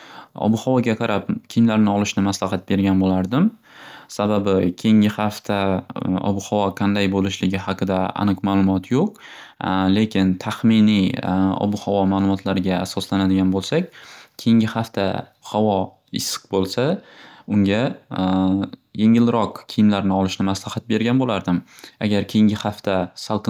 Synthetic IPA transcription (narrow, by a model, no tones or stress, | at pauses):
ɒ̰bʊhɒvɒɡʲaqʰɑɾʔapkʲʰɪmlaɾnɪɒlˠɪʃnɪmaslɑɦɑt̪̚be̞ɾɡʲanbolaɾd̪ɪm | sababɪkʲʰejɪŋʲɪhaft̪ʰaɒ̰bʊhɒvɒqʰɑnd̪ajbolɪʃlɪɡʲɪɦɑqʰɨd̪aa̰nɨqmaːlˠʊmɒt̪ʰjoq̚ | le̞kʲʰɪnt̪ʰaχmɪniɒ̰bʊhɒvɒmaːlˠʊmɒt̪ʰlaɾɪɡʲaːsɒslanad̪ɪɡʲanbolˠsak̚ʲkʲʰejɪŋɡʲɪhaft̪ʰa̰ | hɒvɒ | ɪsɨ̥qbolˠsaʊŋɡʲa | jeŋɪlɾɒqkʲʰɪjɪmlaɾnɪɒlˠɪʃnɪmaslahat̪̚be̞ɾɡʲanbolaɾd̪ɪma̰ɡʲaɾkʲʰejɪŋɡʲɪhaft̪ʰasalˠq